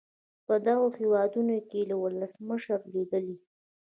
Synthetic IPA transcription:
pəd̪aɣohewɑd̪unokelawʊləsməʃəɾlid̪əli

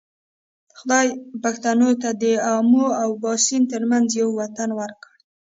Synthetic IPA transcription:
xʊd̪ɑjpaxt̪anot̪ad̪əamoawbɑsint̪əɾmanzjawːat̪anwaɾkəɽ

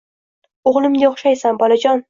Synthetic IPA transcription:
oʁlˠɪmnɪoχʃajsambɒlˠad͡ʒɒn

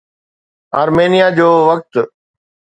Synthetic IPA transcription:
aːɾmeːnijad͡ʑoːʋək̚t̪

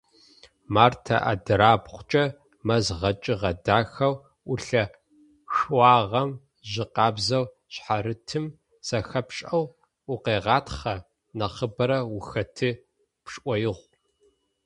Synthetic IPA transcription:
maːrtʰɐ̰ʔa̰dɨɾaːbχʷʊt͡ʃʼɐ | mɐzʁɐt͡ʃʼɪʁɐdaːxɐw | ʊɬɐ | xwɑːʁɐm | ʑɪqɑːbzɐw | ɕħaɾɨtʰɨm | sɐxɐpɕʼɐw | ʊqeːʁɑːtχɐ | nɐχəbɐɾɐwʊxɐtʰɨ | pʂʼʔʷɔjɪʁʷ

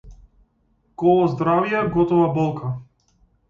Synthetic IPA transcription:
kɔlˠɔzd̪ɾavjɛɡɔt̪ɔvabɔlˠkʰa

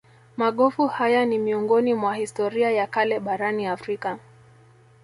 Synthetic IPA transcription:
maɠɔfuhajanimiɔŋɡɔnimwahistɔɾiajakalɛɓaɾaniafɾika

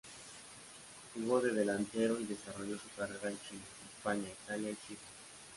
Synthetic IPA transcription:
uɣoðe̞ð̞e̞lant̪e̞ɾo̞iðe̞saro̞ʝo̞sukareɾaent͡ʃinaespaɲait̪aljait͡ʃine

